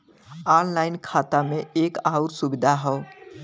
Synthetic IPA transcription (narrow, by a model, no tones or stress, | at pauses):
anlaɪnkʰat̪ameekaʊɾsubid̪ʱaɦɔʊ